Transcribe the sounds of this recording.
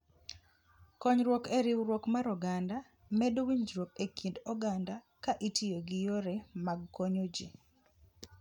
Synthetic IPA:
kɔɲɾwɔkeɾiwɾwɔkmaɾɔɡanda | mɛdowiɲd͡ʒɾwokekʰindɔɡanda | kaʔitijoɡɪjoɾɛmaɡkoɲod͡ʒḭ

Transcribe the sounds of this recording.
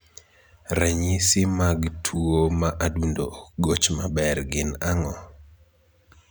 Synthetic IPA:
ɾɛɲisɪmaɡtʰuomaʔadundooɡot͡ʃmabɛrɡɪnaŋɔ

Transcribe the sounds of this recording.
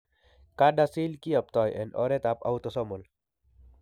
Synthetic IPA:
kadasilkiɐp̚t̪ɔːjɛ̰nɔ̰ɾet̪apa̰wt̪ɔsɔmul

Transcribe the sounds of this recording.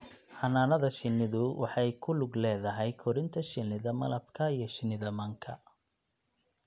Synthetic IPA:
ħɐnaːnɐðɐʃɪnːɪðʊwɑħɑjkʰʊlʊɡlɛːðɐɦɛjkʰɔɾɪnt̪ʰɐʃɪnɪðɐmɐlɐbkʰɐijɞʃɪnɪðɐmɐŋkʰɐ̰

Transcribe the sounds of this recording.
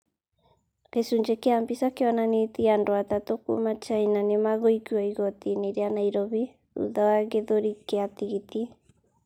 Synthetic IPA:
kesuɲd͡ʒekeambisakeɔnanet̪iandoat̪at̪okṵmat͡ʃainanemaɣɔikuaiɣɔt̪ineɾeanaiɾɔβi | ṵðawaɣeðoɾikeat̪iɣit̪i

